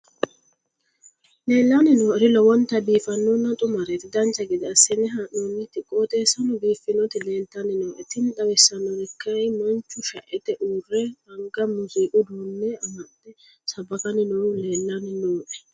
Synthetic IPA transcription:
leːlːanɪnoːɾɪlɔwɔnt̪ːɐbiːfɐnːɔnːɐt̪ʼʊmɐɾɛt̪ɪd̪ɐnt͡ʃːɐɡɪd̪ɐsɛnɛɦɐʔonːɪt̪ɪkʼoːt̪eːsɐnɔbiːfːɪnɔt̪ɪleːnt̪ːɐnɪnoːʔɛt̪ɪnd̪ɐwɛsːɐnːɔdɛkʰːɐjmɐnt͡ʃːʊʃɐʔɛt̪ɛʔuːrːɛɐŋɡɐmʊzɪʔʊd̪uːnːɛɐmɐd̪ɛ | sɐbɐkɐnɪnoleːlːɐnɪnoːʔɛ̥

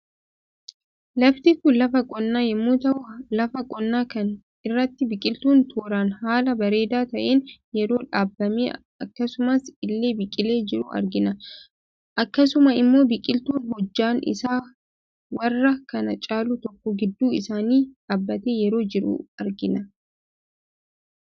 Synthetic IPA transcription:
lɐft̪ɪkʊlɐfɐkʼɔnːaːjɛmːuːt̪ɐʔʊlɐfɐkʼɔnːaːkɐn | ɪrːɐt̪ːɪbɪkʼɪlt̪uːnt̪ʰuːɾaːnhaːlɐbɐɾe̞ːd̪aːt̪ɐʔeːnjɛɾo̞ːᶑaːbːɐmḛː | ɐkːɐsʊmɐsɪlːe̞ːbɪkʼɪle̞ːd͡ʒɪɾʊ̰ʔɐ̰ɾɡɪnɐ | ʔɐkːɐsʊmɐɪmːo̞ːbɪkʼɪlt̪uːnɦɔd͡ʒːaːnʔɪ̰saː | wɐrːɐkɐnɐt͡ʃʼaːluːt̪ɔkːɔɡɪd̪ːuːɪsaːniːᶑaːbːɐt̪eːjɛɾo̞ːd͡ʒɪɾʊ̰ɐɾɡɪnɐ

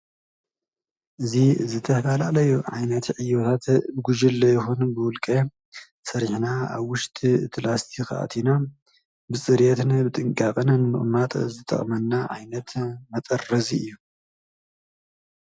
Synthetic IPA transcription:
ʔɨzizɨt̪ʰːɐfɐlalɐjuʕa̰jnɐt̪ʕijːot̪ʰat̪bɨɡʷuʒɨlːɐjɪxunbɨwʊlkʼɐ | sɐɾħnaa̰βwʊʃt̪ʼiɨt̪ʰlast̪ʰixɨʔa̰t̪ʰina | bɨsʼɨɾjet̪ɨnbɨt̪ʼɨŋkʼakʼɨnɨnmɨ̰χʼmat̪ʼzɨt̪ʼɐ̰χʼmɐnːaʕa̰jnɐt̪mɐt̪ʼɐrːɐziɨjːu

